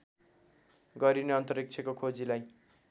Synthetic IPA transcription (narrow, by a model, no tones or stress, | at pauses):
ɡʌɾineʌnt̪ʌrik̚t͡sʰʌkokʰod͡zilaj